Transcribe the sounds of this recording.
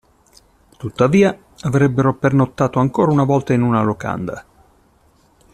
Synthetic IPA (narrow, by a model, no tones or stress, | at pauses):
t̪ut̪ːaviːa | avɾɛbːeɾopernot̪ːaːt̪oaŋkoːɾaunavɔlt̪ainunaloka̰nd̪a̰